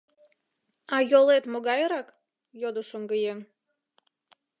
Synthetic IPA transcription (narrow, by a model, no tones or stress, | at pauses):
ɑjolet̪moɣɑjɾɑk | jod̪əʃəŋɡəjem